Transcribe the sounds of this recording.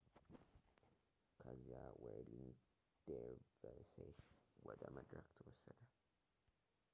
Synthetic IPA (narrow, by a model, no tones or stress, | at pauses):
kʰəzijaweliŋɡ | d̪̥evəseʃwɔd̪əməd̪ɾəkt̪ʰɨwɔsːəd̪ə